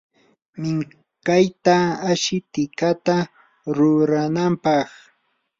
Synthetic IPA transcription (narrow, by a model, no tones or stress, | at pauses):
mɪŋ | kajt̪aaʃɪt̪ɪkat̪a | ɾʊɾanampɑχ